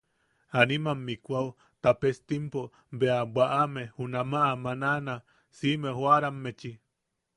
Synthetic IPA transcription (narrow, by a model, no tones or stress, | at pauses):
animamːikʷau | t̪apest̪impo | beabʷaʔamehunamaʔamanana | simehwaɾamːet͡ʃi